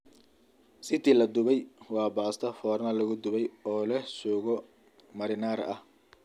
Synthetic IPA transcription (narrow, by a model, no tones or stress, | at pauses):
sɪt̪iːlɐd̪ʊβɛjwɑːbaːst̪ʰɐfɔːrnɐlɐɣʊd̪ʊβɛjɔːlɛsɔːɣɔ | mɐɾɪnaːɾɐ̰h